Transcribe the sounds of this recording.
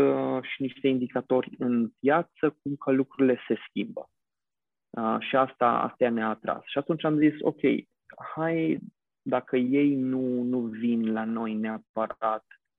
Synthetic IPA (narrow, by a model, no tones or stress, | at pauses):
ʃiniʃt̪e̞ind̪ikat̪o̞rʲɨnpjat̪sək̚umkəlukɾuɾile̞se̞skʲimbə̰ | əʃiast̪a̰a̰st̪ajaneaːt̪ɾa̰sʃiat̪unt͡ʃamziso̞̰kʲe̞̰j | haj | d̪akəje̞jnunuvinlano̞jne̞apəɾat̪